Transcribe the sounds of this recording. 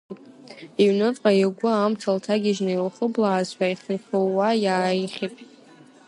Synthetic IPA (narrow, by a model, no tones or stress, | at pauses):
iɥnɨt͡sʼqʼaiɡʷʊamt͡sʰaltʰaɡʲɪʒnɨilχəblaːzħʷᶣaiχəχʲowajaːiχʲipʼ